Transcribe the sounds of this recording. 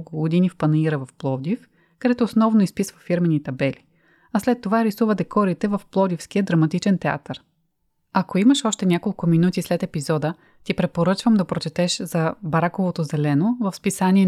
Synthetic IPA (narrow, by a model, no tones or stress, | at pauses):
kʊɡod̪inifpɐnɐiɾəvɐfplˠɔd̪if | kɐd̪ɛt̪oːsnɔvnoispisvəfiɾmɛnit̪ɐbɛli | ɐslɛt̪ːovaɾisuvəd̪ɛkɔɾit̪ɛvɐfplˠɔd̪ifsk̟iəd̪ɾɐmɐt̪it͡ʃɛnt̪ɛa̰t̪əɾ | ɐkoimɐʃɔʃt̪ɛnʲakolˠkʊminut̪islɛt̪ɛpizɔd̪ə | t̪ipɾɛpoɾɤt͡ʃvəmd̪ɐpɾot͡ʃɛt̪ɛʃzɐbɐɾakovot̪ozɛlɛnovəfspisaniɛ